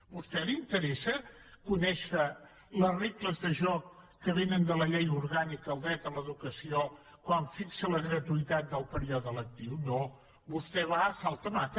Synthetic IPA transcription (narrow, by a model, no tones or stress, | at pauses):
bust̪ɛlint̪əɾɛsə | kunɛʃə | lərekləzðəʒɔkː | əβenənd̪ələʎejuɾɣanikəːlˠd̪ɾɛt̪ələðukəsio | kwaɱfiksələɣɾət̪uit̪at̪̚d̪əlˠpəɾiɔðələk̚t̪iwno | bust̪ɛβaəsalˠt̪əmat̪